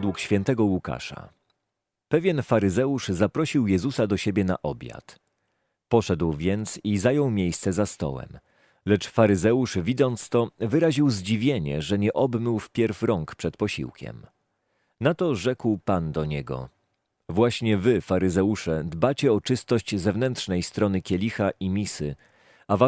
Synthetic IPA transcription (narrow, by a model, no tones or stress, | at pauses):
d̪wukɕfʲɛnt̪ɛɡɔwuka̰ʂa̰ | pɛvʲjɛnfaɾɘzɛuʂzapɾɔɕiwjɛzusad̪ɔɕebʲjɛna̰ʔɔbʲja̰t̪ | pɔʂɛd̪wvʲjɛnt̪sizajɔwmʲjejst̪sɛzast̪ɔ̰wɛ̰m | lɛt͡ʂfaɾɘzɛuʂvʲid̪zɔnt̪st̪ɔvɘɾaʑiwzd͡ʑivʲjeɲɛ̰ʐɛɲɛʔɔbmɘwfpʲjɛɾfɾɔŋkpʂɛt̪̚pɔɕḭwkʲɛ̰m | nat̪ɔʐɛkwpand̪ɔɲɛɡɔ̰ | vwaɕɲɛvɘfaɾɘzɛuʂɛd̪bat͡ɕɛɔt͡ʂɘst̪ɔɕt͡ɕzɛvnɛnt̪ʂnɛjst̪ɾɔnɘkʲɛlʲixaʔimʲisɘ | ava